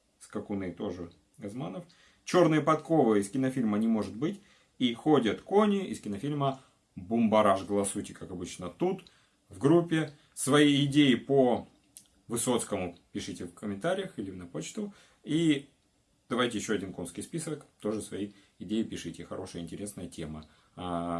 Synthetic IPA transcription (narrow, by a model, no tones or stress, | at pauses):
skɐkʊnɨt̪o̞ʐɨ | ɡɐzmanəf | t͡ɕo̞rnɨjəpɐt̪ko̞vɨɪskʲɪnɐfʲilʲmənʲɪmo̞ʐɨt̪̚bɨtʲ | ixo̞dʲət̪konʲɪʔɪ̰skʲɪnɐfʲilʲmə | bʊmbɐɾaʐɡəlˠɐsutʲɪkakɐbɨt͡ɕnət̪ut̪ | vɡɾupʲːɪ | svɐiɪdʲejɪpə | vɨso̞t̪skəmʊpʲɪʂɨtʲɪfkəmʲɪnt̪aɾʲɪjəxilʲɪvnɐpot͡ɕt̪ʊ | i | d̪̥ɐvajtʲɪjɪɕːoɐdʲinko̞nskʲɪjspʲisəkt̪o̞ʐɨsvɐji | ɪdʲejɪpʲɪʂɨtʲɪxɐ̰ɾʔo̞ʂɨjəɪnʲtʲɪɾʲe̞snəjətʲemə | a